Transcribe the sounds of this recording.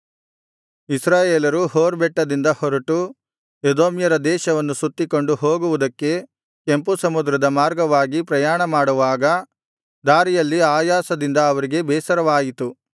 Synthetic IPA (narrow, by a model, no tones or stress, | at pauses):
isɾaːjeːlɐɾuɦoːɾbɛʈːɐd̪ind̪ɐhɔɾɐʈu | ed̪oːmjɐɾɐd̪ɛːʃɐʋɐnːusut̪ːiko̞ɳɖuɦoːɡuʋud̪ɐkːe̞ | kempusɐmud̪ɾɐd̪ɐmaːɾɡɐʋaːɡipɾɐjaːɳɐmaːɽuʋaːɡɐ | d̪aːɾijɐlːiaːjaːsɐd̪ind̪ɐːʋɐɾiɡe̞bɛːsɐɾɐʋaːjit̪u